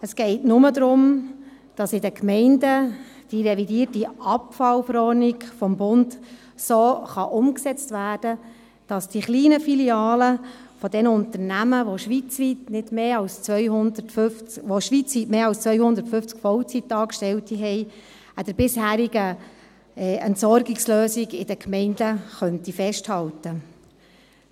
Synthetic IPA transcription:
əsɡ̥ɛɪtnʊməd̪ɾʊm | d̥ɑsɪdəkmɛɪndə | d̥iɾɛvidiːərtiɑpfɑwfɾɔrniɡfɔmbʊnd | soːχɑʔʊmksɛt͡stʋæːrd̥ə | d̥ɑsd̥iχliːnəfiliɑːləfɔdɛnəʊnt̪əɾnæməʋoʃʋit͡sʋitnɪd̥meːɑlst͡sʋœjhʊndətføft͡sʋoʃʋit͡sʋitmeːɑlst͡sʋœʏjhʊnd̪əɾtfʏft͡skfɔwt͡sitɑːkʃtɛltiɦɛɪ | æd̥əɾb̥ɪshæːɾiɡə | ɛɛntsɔɾɡɪksløːsiɡɪ̰d̥əkʰmɛɪndəχœntifɛʃthɑltə

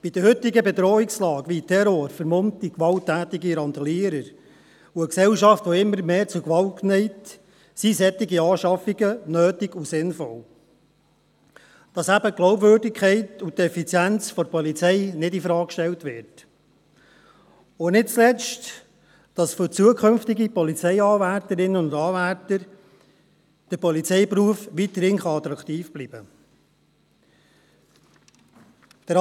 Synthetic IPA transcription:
b̥id̪əhɵtɪɡəbɛdɾɔːɪkslɑːɡʋitʰɛɾɔɾfəɾmɔnt̪ikʋɑltːæːt̪ɪɡiɾɑnt̪ɑliəɾəɾ | uəksɛwʃɑftʋɔɪmːəɾmeːɾt͡sʊkʋɑlt̚knɛɪt | sisɛt̪ːiɡiɑːʃɑfiɡənøːtiɡusɪnfɔl | d̥ɑsæbəɡ̥lɔwbvøːɾdɪkʰχɛɪtutɛfit͡sjænt͡sfɔɾpɔlit͡sɛɪnɪdifɾɑːkkʃtɛltʋɪɾt | onɪt̚t͡slɛt͡st | d̥ɑsfʏɾt͡suəkʰχɵnftɪɡipɔlit͡sɛɪɑːvæɾtəɾɪnəʊndɑːvætəɾ | d̥əɾpɔlit͡sɛɪpɾuəfʋit̪əɾhɪŋχɑɑt̪ɾɑkχt̪iːfb̥liːbə | d̥əɾ

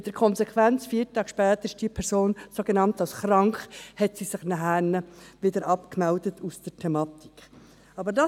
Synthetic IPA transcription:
ɪtd̥əɾkʰɔnsɛkʰʋænt͡sfiːɾtɑːɡ̥ʃpɛːt̪əɾɪʃd̥iːpʰɛɾsoːnsoɡenɑntɑlsχɾɑŋkχhɛtsisɪχnæɦæːnəʋɪdəɾʔɑpkmɛldətʰusd̥ətʰɛmɑːti̥k | ɑbəɾdɑ

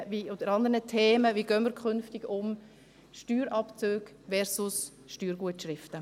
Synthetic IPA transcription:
viod̥əɾɑnd̪əɾnətʰeːməviɡ̥œnməɾkʰʏnftɪɡʊm | ʃtyːɾɑpt͡søːɡ̥ | ʋɛɾsʊs | ʃtyːɾɡuətʃɾɪftə

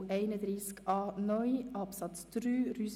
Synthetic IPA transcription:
ʔɛɪnəd̪ɾiːskɑːnɔʏʔɑpsɑt̪t͡sd̪̥ɾyːryːs

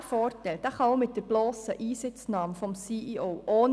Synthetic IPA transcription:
fɔːɾtɛld̥̪ɑχɑomɪt̚d̥əb̥lɔːsəʔiːsɪt͡snɑːmfɔmsiːʔiʔowʔoːn

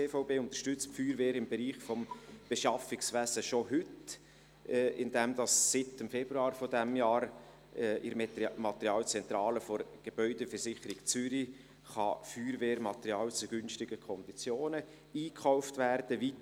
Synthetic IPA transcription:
eːfaʊbeːʊnt̪ə̥ɾʃtʏt͡stfyːɾveːɾɪmbeɾiːχfɔmb̥eʃɑfɪksʋæsəʃoɦʏt | ɪndɛmd̪ɑsːɪt̪əmfɛb̥ɾuɑːɾfɔdæmjɑːɾ | ɛʔɪɾmɑt̪əɾjɑːlt͡sɛnt̪ɾɑːləfɔɾɡ̥eb̥œʏdəfəɾsɪχəɾɪɡ̥t͡sʏɾi | χɑ̰fyːɾveːɾmɑt̪əɾiɑːlt͡suɡ̥ʏnʃtɪɡ̥əkʰɔnd̥̪it͡sjoːnə | iːkʰχaʊftværd̥əʋit

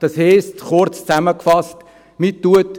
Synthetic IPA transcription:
d̥ɑshɛɪstχʊɾt͡st͡sæməkfɑst | mitːuət

